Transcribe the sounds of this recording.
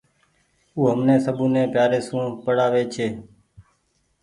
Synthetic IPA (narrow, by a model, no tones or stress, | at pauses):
uːɦəmneːsəbũːnẽːpjaːɾeːsũːpəɽaːʋeːt͡ʃʰeː